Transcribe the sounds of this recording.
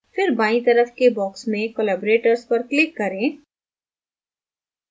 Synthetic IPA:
fɪɾbaːĩt̪ɐɾəfkebɔːksmẽkoːlaːboɾeːʈəɾspɐɾklɪkːɐɾẽː

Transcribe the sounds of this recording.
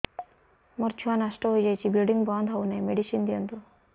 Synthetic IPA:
mɔɾt͡ʃʰuanaʃʈɔɦojd͡ʒajt͡ʃʰibilɖiŋɡbɔnd̪ʱɦɔwnajmeɖiʃind̪ijɔnt̪u

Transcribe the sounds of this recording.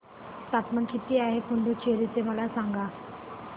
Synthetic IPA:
sat̪mənkit̪iaːɦekʊ̃nd̪ut͡ʃʰeːɾit̪eʋalasãːŋɡaː

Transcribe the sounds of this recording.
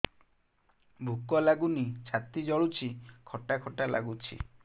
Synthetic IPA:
bʱukɔlaɡunit͡ʃʰat̪id͡ʒɔɭut͡ʃʰikʰɔʈakʰɔʈala̰ɡut͡ʃʰḭ

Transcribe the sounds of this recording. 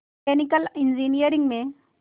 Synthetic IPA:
kenikəlind͡ʑinijəɾiŋɡmẽ

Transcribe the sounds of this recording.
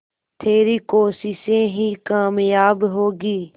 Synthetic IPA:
t̪ʰeːɾiːkoːsɪʃẽːɦiːkaːmjaːbɦoːɡiː

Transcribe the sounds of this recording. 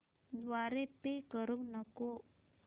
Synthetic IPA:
d̪ʋaɾepekəɾuŋnəko

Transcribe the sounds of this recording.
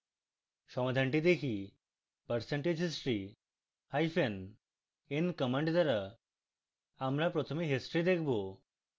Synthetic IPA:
ʃɔmad̪ʱaɳʈid̪ekʰi | pəɾseɳʈed͡ʑʱɦid͡ʑɾi | hajfʰen | enkəmaɳɖd̪aɾa | amɾapɾot̪ʰomeɦesʈɾid̪ekʰbo

